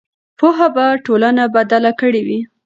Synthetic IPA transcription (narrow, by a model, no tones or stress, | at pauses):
poɦabaʈolanabad̪alakəɽewi